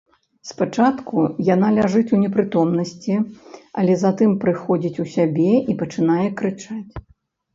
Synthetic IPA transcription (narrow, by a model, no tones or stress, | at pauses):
spat͡ʂat̪kujanalʲaʐɨt͡sʲunʲɛpɾɨt̪ɔmnɐsʲt͡sʲiɐ̰lʲɛzat̪ɨmpɾɨxɔd͡zʲit͡sʲusʲabʲɛipɐt͡ʂɨnajɛkɾɨt͡ʂat͡sʲ